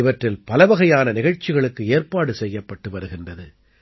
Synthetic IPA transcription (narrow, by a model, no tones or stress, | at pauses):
ɪʋɐʈrɪlpɐlɐʋɐɣɐjaːnɐnɪɣɐɻt͡ʃːɪɣɐɭɯkːɯeːrpaːɽɯsɛjːɐpːɐʈːɯʋɐɾɯɣɪndrɐðɯ